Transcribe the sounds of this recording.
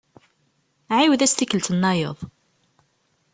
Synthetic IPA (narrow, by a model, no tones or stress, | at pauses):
ʕiwðæst̪ikːəlt̪ənːɑjə̰ðˤ